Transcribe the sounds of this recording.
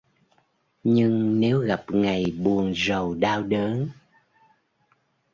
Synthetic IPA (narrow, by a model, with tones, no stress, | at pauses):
ɲɨ˧ŋne˨˦wɣa˨˩p̚ŋa˨˩jɓu˨˩ənzə˨˩wɗaː˧wɗəː˨˦n